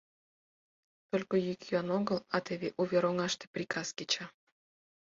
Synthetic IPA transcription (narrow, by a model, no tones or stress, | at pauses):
t̪olʲkojykjonoɣəlɑt̪eβeʔuβʲeɾoŋɑʃt̪e̥prʲikʰɑsket͡ɕɑ